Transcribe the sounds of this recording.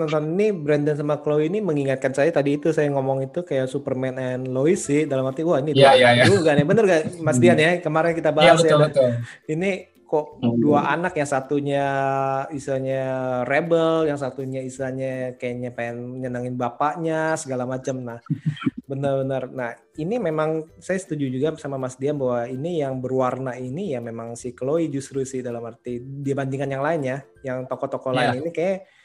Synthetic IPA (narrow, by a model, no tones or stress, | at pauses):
t̪ɔnt̪ɔninibɾɛndəns̬amaklowiniməŋiŋat̪̚kansajat̪adiːt̪usajaŋɔmɔŋit̪ukajaʔsupərmɛnɛnloisɪhdalamhat̪iuahinid̪ajajuɡaʔnɛbənərɡaʔmas̬t̪ianjakəmaɾɛnkit̪abaɦasjaət̪ʊ | ini | kɔʔduaʔanakjaŋsat̪uɲa | isaɲarɛbəljaŋsat̪uɲaisaɲakajaʔɲapaanɲənaŋɪnbapaʔɲasəɡalamat͡ʃəmnahbənərbənərnah | inimemaŋsajasə̥t̪ud͡ʒud͡ʒuɡasamamasdianbawainijaŋbəruwarnainijamemaŋsɪhkəloid͡ʒust̪ɾusɪhdalamhart̪idiabandiŋanjaŋlaɪnja | jaŋt̪okɔt̪ɔkɔlaɪninikaja